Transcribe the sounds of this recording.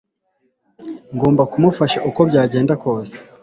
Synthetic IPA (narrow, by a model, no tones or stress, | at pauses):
ŋɡo̞ːmbakumufaʃaʔuko̞bɟaːɟe̞ːndako̞ːse̥